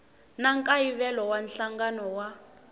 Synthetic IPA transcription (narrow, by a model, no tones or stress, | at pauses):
naŋkʼaiβɛlɔwanɬaŋɡanɔwa